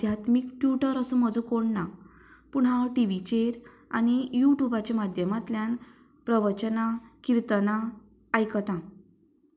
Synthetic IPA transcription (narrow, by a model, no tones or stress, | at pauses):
d̪ʱjat̪mikʈjuʈəɾəsũməd͡zũkoɽna | puɳ̃ɦãwʈiʋit͡ɕeɾ | a̰ñijuʈubat͡ɕamad̪ʱjəmat̪ljan | pɾəʋət͡ɕənakiɾt̪ənaː | jkət̪ã